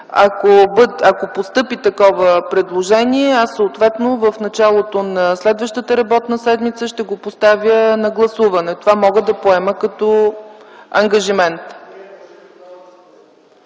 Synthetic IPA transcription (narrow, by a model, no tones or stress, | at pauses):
ɐkobəd̪ɐkopost̪ɤpit̪ɐkɔvəpɾɛd̪lˠoʒɛniɛasːoot̪vɛt̪novəfnɐt͡ʃalˠot̪onɐslɛd̪vəʃt̪ət̪əɾɐbɔt̪nəsɛd̪mit̪səʃt̪ɛɡopost̪avʲjənɐɡlˠɐsuvɐnɛt̪ovamɔɡəd̪ɐpoɛməkɐt̪ɔ | ɐŋɡɐʒimɛnt̪